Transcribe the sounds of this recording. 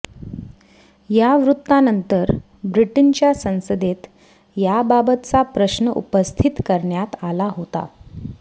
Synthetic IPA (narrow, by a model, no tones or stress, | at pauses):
jaʋɾut̪ːanənt̪əɾ | bɾiʈint͡ɕjasə̃w̃səd̪et̪ | jababət̪t͡sapɾəɕnəʔṵpəst̪ʰit̪kəɾɳjat̪alaɦot̪a̰